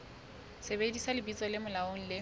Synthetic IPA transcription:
sebedisalɪbit͡sɔlɪmʊlaoŋ̩lɪ

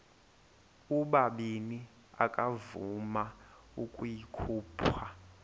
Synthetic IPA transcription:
uɓaɓini | a̰kʼavuma | ukʼujikʰuːpʰwa

